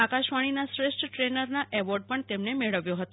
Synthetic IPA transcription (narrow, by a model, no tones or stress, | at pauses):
akaʃʋaɽ̃inasɾeʃʈʰəʈɾenəɾnaʔɛʋɔɾɖ̚pəɳt̪emnemeɭəʋjoɦət̪o